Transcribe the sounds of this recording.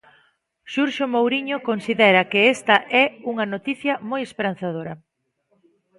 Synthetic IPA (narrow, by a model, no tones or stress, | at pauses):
ʃuɾʃomowɾiɲokonsiðɛɾɐkɪest̪ɐʔɛuŋɐnot̪iθjɐmojespeɾan̟θað̞oɾɐ